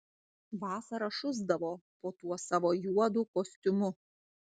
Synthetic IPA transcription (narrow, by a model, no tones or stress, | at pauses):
ʋɑːsɐɾɐʃʊzd̪ɐʋoːpoːt̪uɔsɑːʋoːjuɔd̪uːkoːsʲt̪ʲʊmʊ